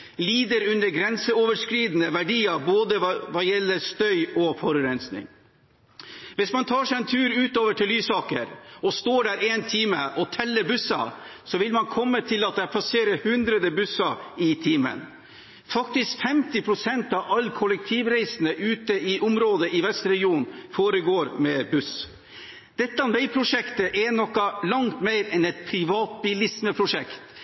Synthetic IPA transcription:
liːd̪əɾʉnːəɾɡɾɛnsəoːʋəʂkɾiːd̪nəʋæɖiːɑboːd̪əʋɑjɛlːəɾst̪œʏɔfɔɾʉɾɛnsnɪ̰ŋ | ʋɪsmɑnt̪ʰɑːʂɛɪɛnt̪ʰʉːɾʉːt̪oːʋəʈʰɪlːyːsɑːkə̰ɾɔst̪oːɖæːɾeːnt̪ʰiːməʔɔt̪ʰɛlːəɾbʉsɑ̰sɔʋɪlmɑnkʰɔmːət̪ʰɪlɑt̪̚d̪ɛæpʰɑseːɾəhʉnd̪ɾəd̪əbʉsɑɪt̪ʰiːmə̰n | fɑkt̪ɪskfɛmt̪ɪpʰɾʊsɛnt̪ɑʋɑlːkʰɔlək̚t̪ʰiːʋɾæɪsənəʔʉːt̪əɪʔʊmɾoːd̪əʔɪʋɛst̪ɾɛɡɪuːnfoːɾəɡoːɾmɛbʉs | d̪̥ɛt̪ːəɑnʋɛɪpʰɾʊʂɛkt̪əʔɛnɔkːɑlɑŋt̪meɪɾɛnɛt̪̚pʰɾɪʋɑːt̪̚bɪlɪsməpʰɾʊʂɛkt̪

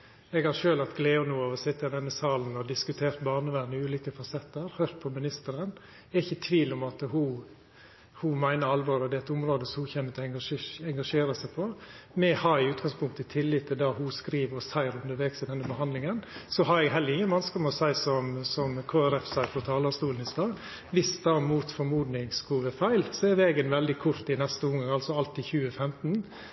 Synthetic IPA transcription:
ɛɡhɑɾʂøːlɑt̪ɡleːʊnuːɑʋɔsɪt̪ːəɪd̪ɛnːəsɑːln̩ɔd̪ɪskʉt̪ʰeːɾt̪bɑːɾnəʋænəʉːliːkəfɑsɛt̪ːəɾhøːɾt̪̚pʰɔmɪnɪst̪əɾən | ɪçːət̪ʰʋiːlɔmɑt̪hʊ | hʊmæɪnəɾɑlʋoːɾɔd̪ɛɛt̪ʊmɾoːd̪əsɔhʊçɛnːət̪ʰɛŋɡɑɛŋɡɑʂeːɾəsæɪpʰɔmɛhɑɾɪʉːt̪ɡɑŋspʰʊŋkt̪ət̪ʰɪlːɪt̪ʰːɪld̪ɑhʊskɾiːʋəɔsæɪɾʉnd̪əɾʋeːɡsɪd̪ɛnːəbəɦɑnd̪lɪŋənsɔɦɑɾɛɡɦɛlːəɾɪŋːənʋɑnskəmɛɔsæɪsɔmsɔmkʰoːæɾɛfsæɪəfɔt̪ʰɑːlɑst̪uːln̩ɪst̪ɑːɡ | ʋɪsd̪ɑːmuːt̪fɔɾmuːd̪nɪŋsɡʰuːʋəfæɪlsɔɛɾʋeɡənʋɛld̪ɪkʰʊɾt̪ɪnɛst̪əʊŋəɑlsɔɑlt̪ɪçʉːəfɛmt̪n̩

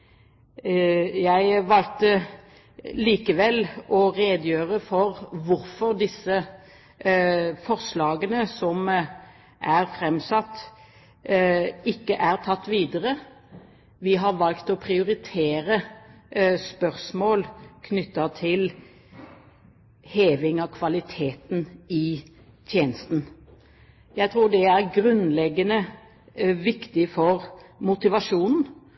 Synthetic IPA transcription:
jæɪʋɑlt̪ə | liːkəʋɛlʔɔʁeːd̪jøːʁəfɔɾʋʊɾfɔʁd̪ɪsːə | fɔʁslɑːɡənəsɔm | ʔæʁfɾɛmsɑt̪ː | ɪkːəʔæʁt̪ʰɑt̪ːʋiːd̪əɾə | ʋɪɦɑʋɑlkt̪ɔpʰɾɪʊɾɪt̪ʰeːɾə | spœɾsmoːlkʰnʏt̪ːɑt̪ʰɪl | heːʋɪŋɑkʰʋɑlɪt̪ʰeːt̪nɪ | t̪ʰjeːnəst̪n̩ | jæɪt̪ʰɾuːɖɛæɾɡɾʉnlɛɡːənə | ʋɪkt̪ɪfɔɾmʊt̪ɪʋɑʂuːnn̩

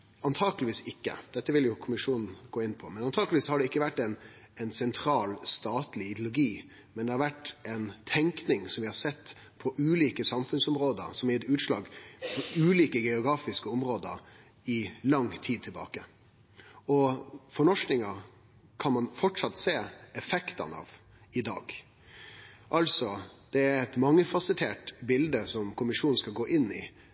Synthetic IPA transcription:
ɑnt̪ʰɑːɡəlɪʋiːsɪkːə̰d̪̥ɛt̪ːəʋɪljʊkʰʊmɪʂuːnn̩ɡoːɪnːpʰɔmɛnɑnt̪ʰɑːɡəlʋiːshɑɖɛɪkːəʋæʈːɛɪn | ɛɪnsɛnt̪ʰɾɑːlst̪ɑːt̪lɪɪd̪jʊlʊɡiː | mɛnd̪ɛhɑɾʋæʈːɛɪnt̪ʰɛŋknɪŋsɔmʋɪhɑsɛt̪ː | pʰɔʔʉːliːkəsɑmfʉnsɔmɾoːd̪ə̰ɾsɔmɪɛt̪ʉːt̪ʂlɑ̰ːɡpʰɔʉːliːkəɡɛʊɡɾɑːfɪskəɔmɾoːd̪ə̰ɾ | ɪlɑŋt̪ʰiːd̪̚t̪ʰɪlbɑ̰ːkə | ɔfɔɳɔʂnɪŋɑ | kʰɑnmɑnfɔʈʂɑt̪seːɛfɛkt̪ɑ̰nɑ̰ːʋ | ɪd̪ɑ̰ːɡ | ʔɑlsɔd̪̥ɛæɾɛt̪mɑŋːəfɑsət̪ʰeːʈbɪld̪əsɔmkʊmɪʂuːnn̩skɑlɡoːʔɪnːɪ

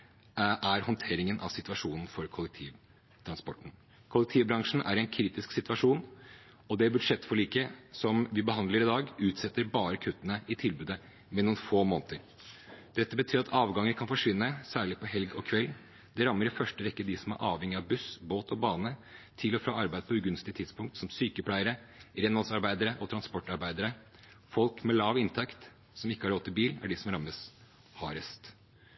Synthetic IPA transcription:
ʔæɾhɔnt̪ʰeːɾɪŋənʔɑ̰ʋsɪt̪ʋɑʂuːnn̩fɔɾkʰʊlɛk̚t̪ʰiːʋ | t̪ʰɾɑnspɔʈːn̩ | kʰʊlɛk̚t̪ʰiːʋbɾɑŋʂɳ̩æ̰ɾɛnkʰɾiːt̪ɪsksɪt̪ʋɑʂuːn | ɔd̪ɛbʉd̪ʂɛt̪ːfɔɭiːkəsɔmʋɪbəɦɑnd̪ləɾɪd̪ɑːɡʉːt̪sɛt̪ːəɾbɑːɾəkʰʉt̪ːənəɪt̪ʰɪlbʉːd̪ə | mɛnːʊnfoːmoːnt̪əɾ | d̪̥ɛt̪ːəbət̪ʰyːɾɑt̪ɑːʋɡɑŋːəkʰɑnfɔʂʋɪnːəsæːɭɪpʰɔɦɛlɡɔkʰʋɛl | d̪ɛɾɑmːəɾɪfœʂʈəʋɛkːəd̪ɪsɔmæ̰ɾʔɑːʋhɛŋːɪɑʋbʉsboːt̪ʰɔbɑːnət̪ʰɪlɔfɾɑːɑɾbæɪəpʰɔʉɡʉnst̪ɪt̪ʰɪd̪spʊŋkt̪sɔmsyːkəpʰlæɪəɾəɾɛnɑlsɑɾbæɪd̪əɾəʔɔt̪ʰɾɑnspɔʈːɑɾbæɪd̪əɾə | fɔlkmɛlɑːʋɪnt̪ʰɛkt̪ | sɔmɪkːəhɑɾɔt̪ːɪlbiːlæ̰ɖɪsɔmɾɑmːəs | hɑːɾəst̪

